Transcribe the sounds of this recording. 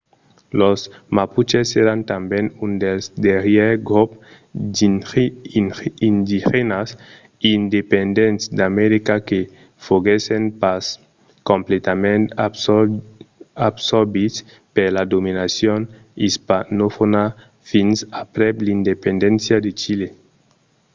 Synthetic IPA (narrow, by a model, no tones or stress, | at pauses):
losmaput͡ʃeseɾant̪ambɛnund̪elzd̪eɾjɛɾɡɾup | ind̪ixenas | ind̪epend̪ent̪sd̪amɛɾikake | foɣesenpas | kõmplet̪amẽnt̪ | absoɾbis | peɾlad̪ominasjon | ispanofona | finsapɾɛblind̪epend̪ɛ̃nsjad̪et͡ʃile